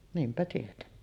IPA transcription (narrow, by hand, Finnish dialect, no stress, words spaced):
niːmpæ tietenːi